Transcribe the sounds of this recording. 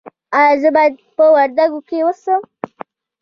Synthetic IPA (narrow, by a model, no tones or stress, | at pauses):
ajazəbɑjad̪̚pəwaɾd̪aɡokewəsəm